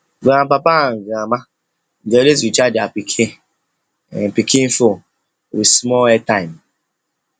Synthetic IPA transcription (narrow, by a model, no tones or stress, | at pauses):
bam̩papaŋ̩ɡama | n̩d͡ʒeles̬it͡ʃadia̰pikʰe | pikin̩fo | ɾismɔɛtaim